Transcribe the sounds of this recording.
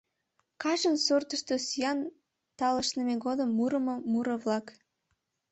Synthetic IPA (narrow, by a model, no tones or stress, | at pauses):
kɑʒənsort̪əʃt̪osyjɑn | t̪ɑləʃnəmeɡod̪əmːuɾəmomuɾəβlɑk